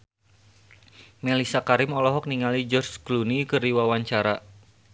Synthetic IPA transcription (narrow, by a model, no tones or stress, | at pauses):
melisakaɾɪmɔlɔɦɔk̚niŋalid͡ʒɔrsɡ̥lunikɨriwawaɲt͡ʃaɾa